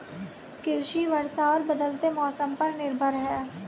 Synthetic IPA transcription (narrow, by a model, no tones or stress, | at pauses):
kɪɾʃiʋɐɾsaɔːɾbɐd̪əlt̪emɔːsəmpɐɾnɪɾbʱəɾɦɛː